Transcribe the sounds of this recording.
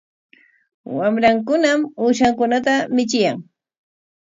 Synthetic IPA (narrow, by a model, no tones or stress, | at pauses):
wamɾaŋkʊnamuːʃaŋkʊnat̪amɪt͡ʃɪjaŋ